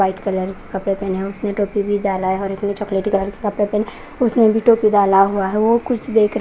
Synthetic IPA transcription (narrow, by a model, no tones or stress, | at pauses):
aːɪʈkɐləɾki̥kɐpɽepɛːnɦɛʊsnẽʈoːpibʱid̪aːlaɦɛɔːɾɪsnẽt͡ʃɔːkleːʈikɐləɾki̥kɐpɽepɛn | ʊsnebʱiʈoːpid̪aːlaɦuaɦɛʋokʊt͡ʃʰd̪eːkʰɾ